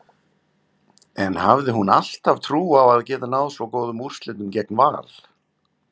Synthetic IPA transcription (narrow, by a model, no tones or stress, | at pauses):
ɛnhavðɪɦunal̥t̪avt̪ʰɾuːawaðcɛːt̪anaːwðsvɔwkoːwðʏmur̥st̪lɪt̪ʏmcɛk̚nva̰ːl̥